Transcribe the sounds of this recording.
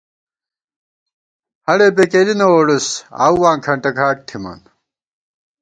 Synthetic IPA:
hɐɽeːpekeːlinɐwoːɖusa̰ːwwãːŋkʰɐɳʈɐkʰaːk̚t̪ʰimɐ̰n

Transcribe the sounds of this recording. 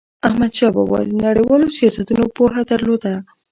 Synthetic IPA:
ahmad̪ʃɑbɑ̰bɑ̰lnaɽejwɑlosijɑsat̪unopoɦad̪əɾlod̪a

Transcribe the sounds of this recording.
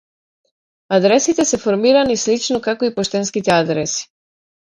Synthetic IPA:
ad̪ɾɛsit̪ɛsɛfɔɾmiɾanislit͡ʃnokakoipɔʃt̪ɛnskit̪ɛad̪ɾɛsi̥

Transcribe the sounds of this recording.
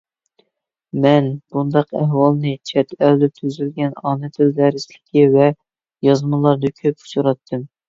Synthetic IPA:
mɛnb̥und̪ɑqɛɦwɑlˠnɨt͡ʃʰɛt̪ʰɛld̪ɛp̚t̪ʰyzylɡʲɛnɑːnɨt̪ʰɪlzæɾɪslɪkʲʰivɛ | jɑzmɨlˠɑɾd̪ɨkʲʰøpu̥t͡ʃʰuɾɑt̪ʰːɨm

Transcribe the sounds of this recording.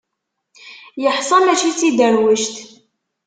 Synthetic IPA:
jəħsˤɑmæt͡ʃit͡sːid̪əɾwəʃt̪

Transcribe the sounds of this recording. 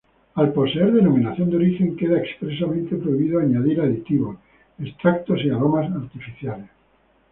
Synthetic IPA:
alpo̞seeɾðe̞nomĩnaθjo̞nd̪eoɾixeŋkeðaekspɾes̬amẽnt̪epɾoiβiðoaɲaðiɾaðit̪iβo | est̪ɾak̚t̪osiaɾo̞masaɾt̪ifiθjales

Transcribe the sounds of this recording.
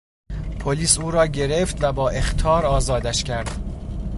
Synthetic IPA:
pʰoliːsuːɾɒːɟe̞ɾe̞ft̪væbɒːʔe̞xt̪ʰɒːɾɒːzɒːd̪æʃcʰæɾd̪̥

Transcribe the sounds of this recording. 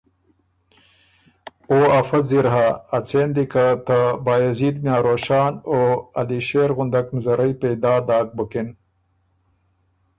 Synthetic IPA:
oːɐfɐt̪ziɾɦaːt͡sʰeːnd̪ikat̪ɐbaːjɐziːd̪mjaːɾoːɕaːnoːɐ̰liɕeːɾɣʊnd̪ɐknzɐɾʔɐjped̪aːd̪aːk̚bɐkin

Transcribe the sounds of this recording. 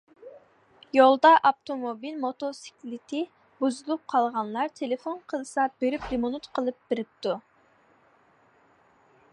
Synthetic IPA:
jolˠd̪ɑʔɑpt̪ʰomobilmot̪osi̥kʲlɪt̪ʰɪ | buzɨlˠup̚qʰɑlˠʁɑnlˠɑɾt̪ʰelɪfonqʰəlˠɨsɑb̥eɾypɾemonut̪qʰəlˠɨp̚b̥ɪɾɪp̚t̪u

